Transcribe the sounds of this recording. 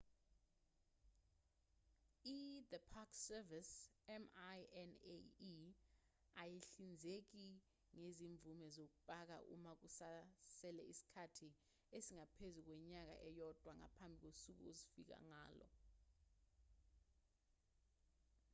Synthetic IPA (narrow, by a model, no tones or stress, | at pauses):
iðəpʰaksɛvisɛmjɛnḛ | ajeɬind͡zʱek̬i | ŋeziɱb̪vumɛzok̬uɓʼak̬a̰ʔṵmak̬usasɛlɛisi̥kʰatʰi | esiŋapʰezuk̬wɛɲak̬a̰ʔɛjɔd̥ʱwaŋa̰pʰambʱik̬wosuk̬ṵozifḭk̬a̰ŋaːlɔ̰